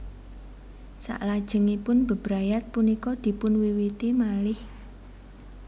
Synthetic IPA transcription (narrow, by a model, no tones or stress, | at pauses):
sa̰ʔlad̥ʒ̥ə̤ŋipʊnb̥ə̤b̥ɾajat̪̚punikɔd̪̥i̤pʊnwiwit̪emalɪh